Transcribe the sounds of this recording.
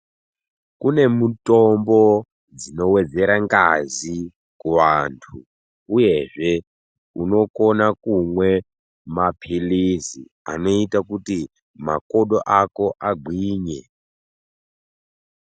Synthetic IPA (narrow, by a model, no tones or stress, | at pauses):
kune̞mutombo | d͡zino̞we̞d͡ze̞ɾaŋɡazi | kuʋantʰu | uje̞ʐe̞ | uno̞ko̞nakumwe̞ | mapʰilizḭ | a̰no̞itakuti | ma̰koɗoʔako̞ʔaɡʱwiːɲe